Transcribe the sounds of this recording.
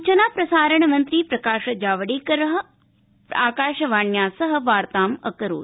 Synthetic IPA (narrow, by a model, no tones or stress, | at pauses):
t͡ʃɐnaːpɾɐsaːɾɐɳ̃ɐmɐnt̪ɾiːpɾɐkaːʃɐd͡ʒaːʋɐɽiːkɐɾɐɦɐ | aːkaːʃɐʋaːɳjaːsɐɦɐ̆ʋaːɾt̪aːmɐ̰kɐɾo̰ː